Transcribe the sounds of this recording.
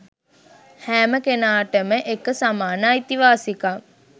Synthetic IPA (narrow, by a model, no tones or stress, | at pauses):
hæːməkenaːʈəməʔekəsamaːnaːit̪iʋaːsika